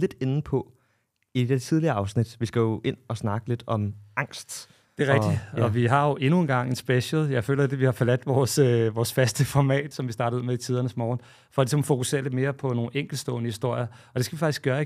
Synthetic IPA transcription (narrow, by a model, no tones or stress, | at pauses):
le̝d̥e̝nn̩pʰɒ̽ | id̥edeɐt͡sʰið̞ˠliɐɑ̈ʊsnid̥ʋisɡ̥æjo̝ʔe̝n̰ɒ̽snɑ̈ɡ̥əle̝d̥ɒ̽mɑ̈ŋ̰sd̥ | d̥e̝ʁɡ̥̚d̥ɒ̽ʋiɦɑ̈jo̝ʔe̝nuenɡ̥ɑ̈ŋ̰e̝nsb̥eɕəl̩ˠjɑ̈ɪfø̰ːlɐd̥e̝ʋihɑ̈fɒlæd̥ʋɒːsʋɒːsfæsd̥əfɒmɛ̰ːd̥sɒ̽mʋisd̥ɑ̈ːɾ̥ð̩ˠmeit͡sʰiːð̞ˠɐnəsmɒːn | fɒ̽ɒlisɒ̽mfo̝kuse̝̰ːɐd̥e̝me̝ːɐpʰɒ̽no̝ːn̩eŋ̰ɡ̥l̩̥sd̥ɔ̰̽ːnəhisd̥o̝ɐ̰jɐɒ̽d̥e̝sɡ̥ʋifɑ̈ɡ̥isɡ̥ɶːɐ